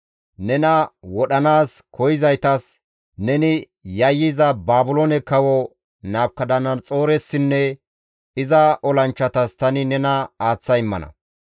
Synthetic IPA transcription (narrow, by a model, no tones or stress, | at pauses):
nɛnɐwɔɗɐnaːskʰɔjɪzɐjt̪ɐs | nɛnɪ | jɐjːɪzɐbaːbʊlonɛkɐwɔ | naːb̚kːɐd̪ɐnɐnt͡sʼo̞ːɾɛsːɪnːɛ | ɪzɐʔɔlɐnt͡ʃːɐt̪ɐst̪ɐnɪnɛnɐaːt͡sːɐjɪmːɐ̰nɐ̰